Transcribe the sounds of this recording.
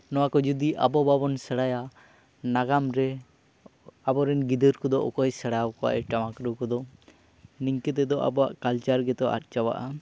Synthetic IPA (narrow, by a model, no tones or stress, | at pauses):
nɔwakɔd͡ʒud̪iʔabɔbabɔnsəɽaja | naɡamɾɛ | abɔɾɛnɡid̪əɾkɔd̪ɔʔɔkɔjsəɽaawkɔwa̰ʔɛʈamakɾəwkɔd̪ɔ | niɲkɛt̪̬ɛd̪ɔʔa̰bɔwa̰ʔkalt͡ʃaɾɡɛt̪ɔʔa̰t̪̚ˀt͡ʃawa̰ʔa